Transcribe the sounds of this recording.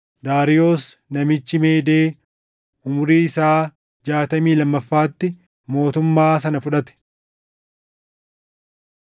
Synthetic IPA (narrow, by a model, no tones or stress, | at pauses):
d̪aːɾɪjo̞ːsnɐmɪt͡ʃːɪmeːd̪eː | ʊmʊɾiːɪsaː | d͡ʒaːt̪ɐmiːlɐmːɐfːaːt̪ːɪ | mo̞ːt̪ʊmːaːs̬ɐnɐfʊᶑɐt̪ɛ̥